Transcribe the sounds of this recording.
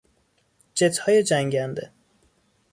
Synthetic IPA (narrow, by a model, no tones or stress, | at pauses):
d͡ʒet̪ʰhɒːjed͡ʒæŋɟænd̪ḛ